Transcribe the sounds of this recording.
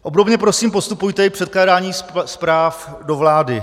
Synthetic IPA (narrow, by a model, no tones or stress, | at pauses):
ʔo̞bdo̞bɲɛpɾo̞siːmpo̞st̪upujt̪ɛɪpr̝̥ɛt̪klaːdaːɲiːspɾaːf | do̞vlaːdɪ